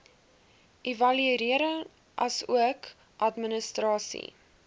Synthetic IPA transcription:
ʔivɐliɾiəɾəŋ | ʔɐsuək | ʔɐtmənəstrɑːsḭ

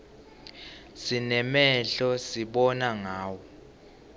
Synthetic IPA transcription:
sinɛmɛɬɔsiɓɔnaŋaːwɔ

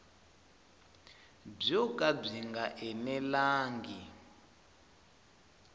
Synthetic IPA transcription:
b͡ʐɔkʼab͡ʐiŋɡaʔɛnɛlaːŋɡi

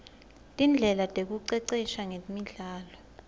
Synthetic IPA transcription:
tʼind͡ɮʱɛlatʼek̬uǀɛǀɛʃaŋemiɮaːlɔ

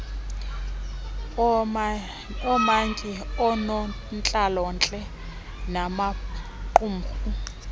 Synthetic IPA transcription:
ɔmaŋkʼiɔnɔ | nt͡ɬʼalɔnt͡ɬʼɛ | namaǃum̩χu

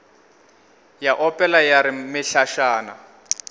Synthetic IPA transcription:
jaʔɔpʼɛlajaɾɪmɪɬaʃaːna

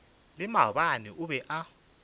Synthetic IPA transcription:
lɪmaɓaniuɓɛʔa

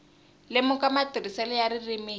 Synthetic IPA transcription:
lɪmʊkʼamatʼirisɛlɔjarɪrimɪ

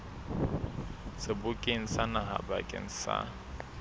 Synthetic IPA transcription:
sɪbʊkʼeŋ̩sanaɦa̰bakʼɪ̰ŋ̩sa̰

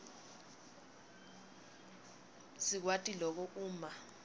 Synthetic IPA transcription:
sik̬watʼilɔk̬ɔʔuːma

